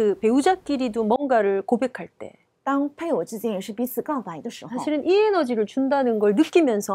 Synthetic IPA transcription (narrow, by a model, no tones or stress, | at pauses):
kɯpe̞ud͡ʑak͈iɾidomwʌnɡaɾɯɭkobe̞kʰaɭt͈e̞̰ | taŋpʰaɪot͡ɕit͡ɕiŋiʂɻ̩pisɨkaʊbaidəʂɻ̩sʰaɕʰiɾɯnʔie̞nʌd͡ʑiɾɯɭt͡ɕundanɯnɡʌɭnɯk͈imjʌnsʰʌ